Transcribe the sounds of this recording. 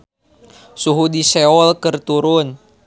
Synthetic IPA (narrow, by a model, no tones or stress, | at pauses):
suɦudisɛɔlkɨrt̪uɾʊn